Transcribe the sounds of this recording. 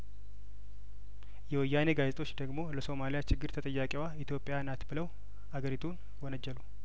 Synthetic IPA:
jɛwɔjːane̞ɡazet̪ʼo̞t͡ʃːd̪əɡmo̞ləso̞malijat͡ʃɪɡːɨɾt̪ʰət̪ʼəjːakʼewait̪ʰjo̞pʼːɪjanat̪bɨləw | haɡəɾit̪ʰun | wɔnəd͡ʒːɛlu

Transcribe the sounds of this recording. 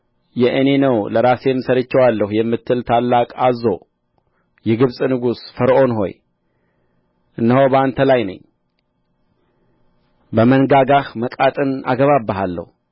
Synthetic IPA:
jɛʔɨne̞nəwləɾase̞mːsəɾət͡ʃːɛwalːəhujɛmːɨt̪ʰːɨlt̪ʰalːakʼazːo̞ | jɛɡɨβsʼnɨɡusfəɾʔo̞nɦo̞̰j | ʔɨnːəho̞wbəant̪ʰəlajnə̰ɲː | bəmənɡaɡahməkʼat̪ʼɨna̰ɡəβabːəɦalːə̰hu

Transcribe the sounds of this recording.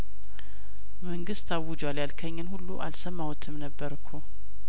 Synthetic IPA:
məŋɡɨst̪ʰawːʊd͡ʒwaljalkʰəɲːɨnhulːuʔalsəmːawɔt̪ʰɨmnəbːəɾkʰu

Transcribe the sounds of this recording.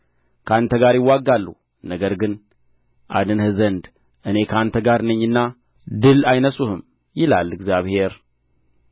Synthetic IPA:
kʰəant̪ʰəɡaɾjɪwːaɡːalːu | nəɡəɾɡɨn | ʔa̰d̪ɨnhɨzənd̪ | ʔɨne̞kʰəant̪ʰəɡaɾnɨɲːɨnːa | d̪ɨlajnəsuhɨm | jɪla̰lːɨɡzjaβhe̞ɾ

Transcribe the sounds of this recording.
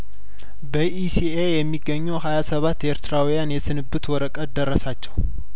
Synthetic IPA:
bəʔisiejɛmːiɡːəɲːuhajasəβat̪ːeɾt̪ʰɨɾawijanjɛsɨnɨbːɨt̪wɔɾəkʼəd̪ərːəsat͡ʃːɛw

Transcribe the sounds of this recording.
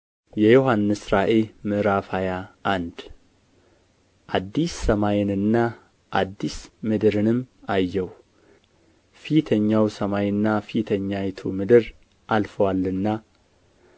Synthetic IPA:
jɛjoɦanːɨsɾaʔemɨɾafajaand̪ | ʔad̪ːisːəmajɛnɨnːa | ʔad̪ːismɨd̪ɨɾɨnɨmajːɛw | fit̪ʰəɲːawsəmajnːafit̪ʰəɲːajɛt̪ʰumɨd̪ɨɾ | ʔalfəwalːɨnːa

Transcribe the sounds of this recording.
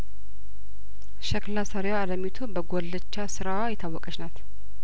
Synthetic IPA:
ʃəklasəɾewaaləmit̪ʰubəɡolːət͡ʃːasɨɾawajɛt̪ʰawːɔkʼət͡ʃnat̪

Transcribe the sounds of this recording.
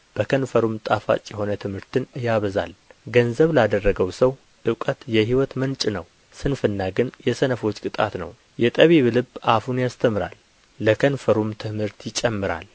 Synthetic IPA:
b̥əkʰənfəɾumt̪ʼafa̰t͡ʃʼːjɛho̞nət̪ʰɨmhɨɾt̪ɨnjaβəza̰lɡənzəβlad̪ərːəɡəwsəw | ʔɨkʼət̪jɛɦiwɔt̪mənt͡ʃʼnəw | sɨnfɨnːaɡɨnjɛsənəfo̞t͡ʃːkʼɨt̪ʼa̰t̪nə̰w | jɛt̪ʼəβiβɨlɨbafunjast̪ʰəmɨɾa̰lː | əkʰənfəɾumt̪ʰɨmhɨɾt̪jɪt͡ʃʼːɛmːɨɾa̰l

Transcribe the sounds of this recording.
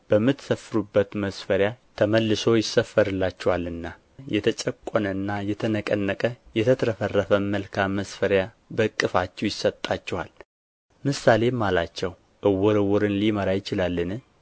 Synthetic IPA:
b̥əmːɨt̪səfːɨɾubːət̪məsfəɾjat̪ʰəməlːɨso̞jɪsːəfəɾɨlːat͡ʃːɛwalɨnːa | jɛt̪ʰət͡ʃʼəkʷʼːonənːajɛt̪ʰənəkʼənːəkʼəjɛt̪ʰət̪ʰɾəfərːəfəməlkʰamːəsfəɾja | bəkʼːɨfat͡ʃːɛwjɪsət̪ʼːat͡ʃːɛwal | mɨsale̞mːalat͡ʃːɛw | ʔɨwːɔɾɨwɔɾɨnliməɾajɪt͡ʃɪlalːɨnɨ

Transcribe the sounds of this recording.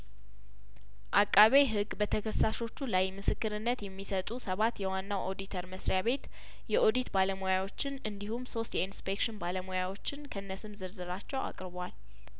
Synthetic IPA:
ʔakʼːaβe̞ɦɨɡːbət̪ʰəkʰəsːaʃo̞t͡ʃːulajmɨsɨkːɨɾɨnːət̪jɛmːisət̪ʼusəβat̪jɛwanːawʔo̞d̪it̪ʰəɾməsɾjaβe̞t̪ | jɛʔo̞d̪it̪baləmojawo̞t͡ʃːɪnɨnd̪ihumso̞st̪jɛinspekʃɪnbaləmojawo̞t͡ʃːɪnkʰəɨnːəsɨmzɨɾzɨɾat͡ʃːɛwʔa̰kʼɾɨβwal

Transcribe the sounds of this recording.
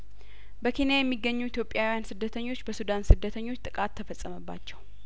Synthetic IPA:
bəkʰe̞njajɛmːiɡːəɲːuit̪jo̞pʼːjawijansɨd̪ːət̪ʰəɲːo̞t͡ʃːbəsud̪ansɨd̪ːət̪ʰəɲːo̞t͡ʃːt̪ʼɨkʼat̪ʰːəfəsʼəməbːa̰t͡ʃːɛw

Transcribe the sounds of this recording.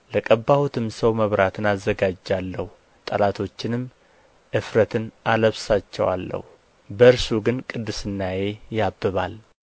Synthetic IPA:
ləkʼəbːawut̪ʰɨmsəwməβɾat̪ʰɨnazːəɡad͡ʒːalːəhu | t̪ʼəlat̪ʰo̞t͡ʃːɪnɨm | ʔɨfɾət̪ʰɨnaləβsat͡ʃːɛ̰wa̰lːə̰hu | bəɨɾsuɡɨnkʼɨd̪ːɨsɨnːaje̞jabːɨβal

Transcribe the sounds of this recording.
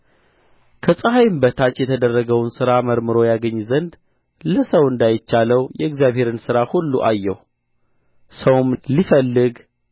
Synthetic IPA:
kʰəsʼəɦajɨmbət̪ʰat͡ʃjɛt̪ʰəd̪ərːəɡəwnsɨɾaməɾmɨɾo̞jaɡəɲːzənd̪ | ləsəwɨnd̪ajɪt͡ʃːaləwjɛɡzjaβhe̞ɾɨnsɨɾahulːuʔajːɛh | səwmlifəlːɨɡ

